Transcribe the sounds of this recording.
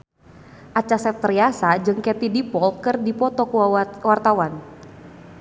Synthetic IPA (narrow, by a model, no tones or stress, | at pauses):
ʔat͡ʃasɛp̚t̪əriasad͡ʒɨŋkɛt̪idipɔlkɨrdipɔt̪ɔkuwart̪awan